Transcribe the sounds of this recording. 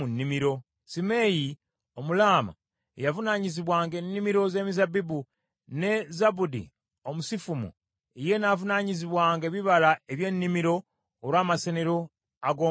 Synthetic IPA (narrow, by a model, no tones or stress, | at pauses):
unːimiɾo̞ | sime̞ji | omulaːma̰ | ejavunaɲiziβwaːŋɡe̞nːimiɾo̞ze̞ːmizabibu | ne̞zabudḭ | omusifumṵ | ije̞navunaɲiziβwaːŋɡeβiβalaeβje̞nːimiɾo̞ː | ɾwaːmaseneɾo̞ | aɡoː